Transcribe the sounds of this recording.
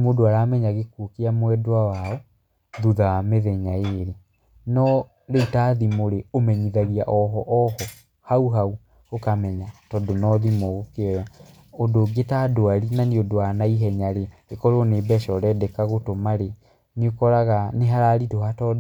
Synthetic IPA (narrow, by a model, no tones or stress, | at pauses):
modoaɾamɛɲaɣekuokeamwɛdowawaɔ | ðuðawameðɛɲaeɾe | nɔ | ɾeutaðimoɾeomɛɲiðaɣiaʔɔɦɔʔɔhɔ | hauɦau | okamɛɲatɔdonɔðimoɣokeɔja | odoɡetadoaɾinaniodoanaiɦɛɲaɾeekɔɾonebɛʃɔɾɛdɛkaɣotomaɾe | niokɔɾaɣaneɦaɾaɾitohatɔd